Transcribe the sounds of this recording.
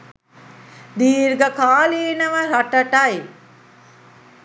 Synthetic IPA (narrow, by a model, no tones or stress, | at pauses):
d̪iːɾɡəkaːliːnəʋəɾaʈɐʈɐj